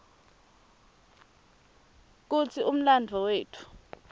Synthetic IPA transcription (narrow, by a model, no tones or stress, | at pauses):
k̬ut͡sʰium̩landʱɔweːtʰu̥